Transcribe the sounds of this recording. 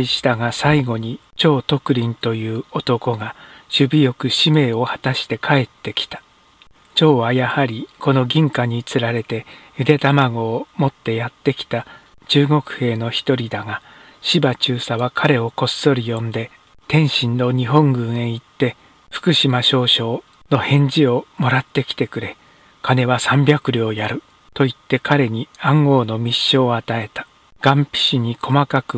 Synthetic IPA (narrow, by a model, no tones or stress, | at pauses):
iɕi̥t̪aɡasaiɡo̞ɲ̟i | t͡ɕo̞ːt̪o̞kɯ̟ɾʲĩnt̪o̞jɯ̟ːo̞t̪o̞ko̞ɡaɕɨbʲijo̞kɯ̟ɕime̞ːo̞hḁt̪aɕi̥t̪e̞kʰae̞t̪ːe̞kʲi̥t̪ḁ | t͡ɕo̞ːβajahaɾʲiko̞no̞ɡʲĩŋkaɲ̟it͡sɨɾaɾe̞t̪e̞jɯd̪e̞t̪amaɡo̞ːmo̞t̪ːe̞jat̪ːe̞kʲi̥t̪a | t͡ɕɨːɡo̞kɯ̟̥he̞ːno̞çi̥t̪o̞ɾʲid̪aɡa | ɕibat͡ɕɨːsaβakʰaɾe̞o̞ko̞sso̞ɾʲijõ̞nd̪e̞ | t̪ẽ̞ɰ̃ɕĩnːo̞ɲ̟iɦõ̞ŋɡɯ̟̃ɰ̃ẽ̞it̪ːe̞ | ɸɯ̟̥kɯ̟ɕimaɕo̞ːɕo̞ː | no̞hẽ̞ɲ̟d͡ʑio̞mo̞ɾat̪ːe̞kʲi̥t̪e̞kɯ̟ɾe̞ | kane̞βasãmbʲjakɯ̟ɾʲo̞ːjaɾɯ̟ | t̪o̞it̪ːe̞kʰaɾe̞ɲ̟iãŋɡo̞ːno̞mʲiɕːo̞ːat̪ae̞t̪ḁ | ɡ̥ãmpʲi̥ɕiɲ̟ikʰo̞makakɯ̟